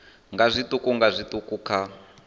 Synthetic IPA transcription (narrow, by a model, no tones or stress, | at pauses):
ŋɡazʷit̪ukʼuŋɡazʷitukʼukʰa